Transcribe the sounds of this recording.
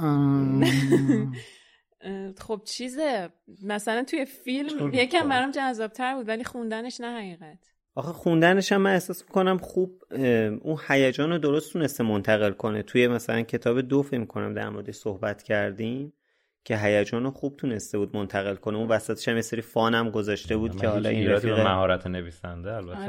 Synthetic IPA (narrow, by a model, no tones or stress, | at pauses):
χob̚t͡ʃʰize | mæsælænt̪ʰuje̞filmjekʰæmbæɾɒmd͡ʒæzːɒːb̥̚t̪ʰæɾbuːd̪væliːxund̪æne̞ʃnæhæɣiːɣæt̪ʰ | ʔɒxeχund̪æne̞ʃæmːæne̞hsɒːsmikonæmχuːb̚ʔunhæjæd͡ʒɒːnod̪o̞ɾost̪ʰuːne̞st̪emont̪ʰæɣe̞lkʰo̞ne̞t̪ʰuje̞mæsælæncʰe̞t̪ʰɒːbe̞d̪ofecmikʰo̞næ̰md̪æ̰ɾmoɾed̪eʃsohbæt̪ʰcʰæɾd̪im | cʰe̞ɦæjæd͡ʒɒːnoxub̥̚t̪ʰune̞st̪e̞buːd̪̚mo̞nt̪ʰæɣe̞lkʰo̞neunvæsæt̪ʰeʃæmjeseɾifɒːnæmɡo̞zɒʃt̪e̞buːd̪cʰehɒːlɒ̰ʔinɾæt̪iːɣemæhɒːɾæt̪ʰeneviːsæ̰nd̪eælbæt̪ʰːe